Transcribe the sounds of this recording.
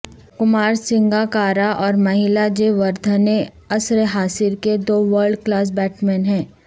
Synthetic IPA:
kʊmaːɾsɪ̃ŋɡakaːɾaʔɔːɾmɐɦɪlad͡ʒeʋɐɾd̪ʱəne | ɐsɾeɦaːsɪɾked̪oːʋəɾɖklaːs̬bɛːʈmɛːnɦɛ̃ː

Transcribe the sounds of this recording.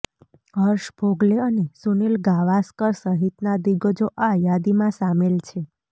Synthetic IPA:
ɦəɾʃb̥ʱoɡleənesunilɡaʋaskəɾsəɦit̪nad̪iɡəd͡ʒoʔajad̪imãsamelt͡ʃʰe

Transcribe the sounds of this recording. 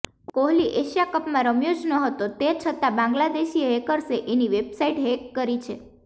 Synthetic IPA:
koɦliʔeʃijakəpmãɾəmjod͡ʒnoɦət̪ot̪et͡ʃʰət̪ãbãŋɡlad̪eʃieɦekəɾseʔeniʋebsaiʈɦekːəɾit͡ʃʰe

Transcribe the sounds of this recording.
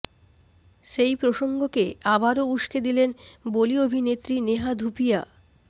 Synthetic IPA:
ʃejpɾoʃoŋɡokeabaɾouʃked̪ilenboliobʱinet̪ːɾineɦad̪ʱupija

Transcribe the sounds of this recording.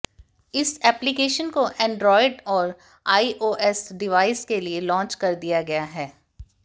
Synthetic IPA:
ɪsɛːplikeːʃənkoʔɛ̃ːɳɖɾɔːɪɖɔːɾ | aːiʔoːʔɛsɖɪʋaːɪskelielɔ̃ːnt͡ʃkɐɾd̪ijaɡɐjaɦɛː

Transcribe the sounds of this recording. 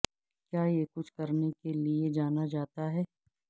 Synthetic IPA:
kjaːjekʊt͡ʃʰkɐɾnekelied͡ʒaːnad͡ʒaːt̪aɦɛː

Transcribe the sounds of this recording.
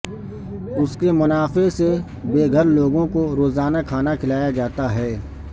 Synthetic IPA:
ʊskemʊnaːfese | beːɡʱəɾloːɡõkoɾoːzaːnakʰaːnakʰɪlaːjad͡ʒaːt̪aɦɛː

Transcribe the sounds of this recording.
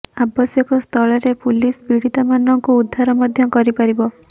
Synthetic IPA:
abɔsjɔkɔst̪ʰɔɭɔɾepulisbiɽit̪amanɔŋkuːd̪ʱːaɾɔmɔd̪ʱjɔkɔɾipaɾibɔ

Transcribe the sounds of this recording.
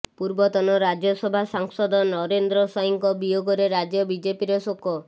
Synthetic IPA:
puɾbɔt̪ɔnɔɾad͡ʒjɔsɔbʱasaŋsɔd̪ɔnɔɾend̪ɾɔsɔjɔŋkɔbijoɡɔɾeɾad͡ʒjɔbid͡ʒepiɾesokɔ

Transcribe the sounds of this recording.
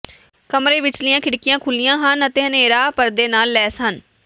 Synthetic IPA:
kəmɾeːʋɪt͡ʃlɪjãːkʰɪɽkɪjãːkʰʊlɪjãːɦənət̪eːɦəneːɾaːpəɾd̪eːnaːlːɛːsən

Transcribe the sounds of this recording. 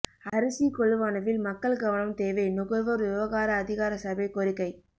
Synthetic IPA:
ɐɾɯsikɔɭɯʋaːnɐʋɪlmɐkːɐɭɡɐʋɐnɐmt̪eːʋɐɪnʊɣɐɾʋɐɾʊɾɯʋɐɣaːɾɐːðɪɣaːɾɐsɐbɐɪkɔɾɪkːɐɪ

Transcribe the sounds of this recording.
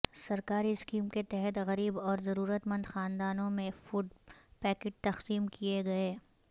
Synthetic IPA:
sɐɾkaːɾiɪskiːmket̪ɛɦɛt̪ɣɐɾiːbɔːɾzɐɾuːɾət̪mɐ̃nd̪xaːnd̪aːnõmẽfʊɖpɛːkɪʈ̚t̪ɐxsiːmkieɡɐeː

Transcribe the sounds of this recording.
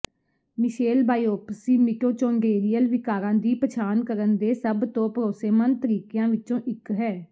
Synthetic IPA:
mɪʃeːlbaːiːoːpsiːmɪkoːt͡ʃõːŋɡeːɾijəlʋɪkaːɾãːd̪iːpət͡ʃʰaːnkəɾənd̪eːsəbt̪õːpəɾoːseːmənt̪əɾiːkjãːʋɪt͡ʃõːʔɪkɦɛː

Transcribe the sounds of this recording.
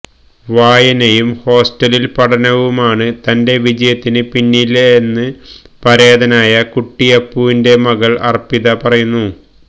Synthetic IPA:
ʋaːjɐnɐjumho̞ːsʈɐlilpɐʈʰɐnɐʋumaːɳɨt̪ɐnde̞ʋid͡ʑɐjɐt̪ːinɨpinːilːɐenːɨpɐɾeːðɐnaːjɐkuʈːijɐpːuʋinde̞mɐɣɐɭɐ̰rpːiðɐpɐrɐjunːu

